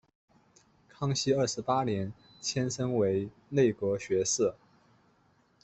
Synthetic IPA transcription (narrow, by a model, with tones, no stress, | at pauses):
kʰɑ˥ŋɕi˥ə˞˥˩ʂɻ̩˧˥pa˥njɛ˧˥n | t͡ɕʰjɛ˥nʂɤ˥ŋwe˧˥ɪ | ne˥˩ɪkwɔ˧˥ɕɥɛ˧˥ʂ̩˥˩